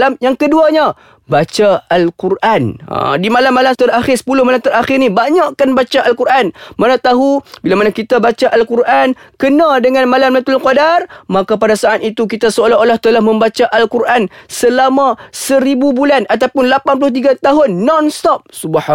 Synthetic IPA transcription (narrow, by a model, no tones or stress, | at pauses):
lamjaŋkəduaɲa | bat͡ʃaalkurʔana̰dimalamːalamt̪əraxɪrsə̥pulʊhmalamt̪əɾaxɪrnibaɲaʔkanbat͡ʃaʔalkuɾʔanmanãt̪aɦubilamanakit̪abat͡ʃaʔalkuɾʔankənãdəŋanmalamlat̪ʊlqɔdarmakap̬adasaʔːt̪̚it̪uk̬it̪asoolaolaht̪əlahmə̃mbat͡ʃaʔalkuɾʔansəlamãsəɾibubulanʔat̪awpʊnlapanp̬ulʊht̪̬iɡat̪aɦʊnːɔnst̪ɔp̚subaha